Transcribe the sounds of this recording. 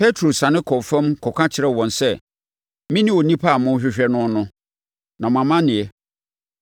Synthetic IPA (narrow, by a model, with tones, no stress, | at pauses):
pʰɛ˦tʰɾo˨sã˨nɪ̃˦kʰɔ˨fã˦mkʰɔ˨kʰã˦t͡ɕʰɪ˨ɾɛ˦wɔ̃˨nsɛ˦ | mĩ˦nɪ̃˦o˨nĩ˦pʰa˦˨mʊ̃˦ɕᶣɪ˦ɕᶣɛ˦nʊ̃˦nʊ̃˦ | nã˨m˨ã˨mã˦nɪ̃˨ɛ˨